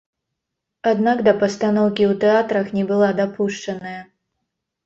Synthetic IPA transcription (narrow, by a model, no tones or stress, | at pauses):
ad̪naɡd̪ɐpɐst̪anɔwkʲiwt̪ɛat̪ɾɐxnʲɛbɨlˠad̪apuʂt͡ʂɐnɐjɐ